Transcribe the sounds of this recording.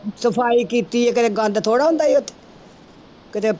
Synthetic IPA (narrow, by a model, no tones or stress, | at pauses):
səpʰaːiːkiːt̪iːɛːk̬ɪt̪eːɡə̃nd̪t̪ʰoːɽaːɦʊ̃nd̪aːiːʊt̪ʰːe̥ | kɪt̪eː